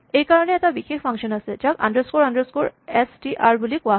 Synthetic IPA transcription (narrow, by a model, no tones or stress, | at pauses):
ejkaɹɔnɛːtabixexpʰaŋsɔnasɛd͡ʒaka̰ndəɹskoɹandəɹskoɹɛstiʔaɹbulikʊa